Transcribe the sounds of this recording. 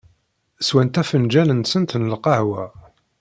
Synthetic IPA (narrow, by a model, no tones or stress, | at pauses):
swænt̪æfənd͡ʒælənsənt̪nəlqɑʕwæ